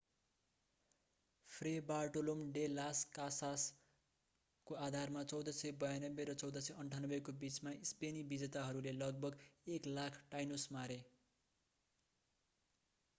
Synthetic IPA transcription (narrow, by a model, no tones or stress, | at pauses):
pʰrebarʈolomɖelaskasas | koad̪ʱarmat͡sʌwd̪ʌsʌjbʌjanʌbːeɾʌt͡sʌwd̪ʌsʌʌɳʈʰanʌbekobit͡smaispenibid͡zʌt̪aɦʌɾulelʌɡ̚bʱʌɡeklakʰʈajnosmaɾe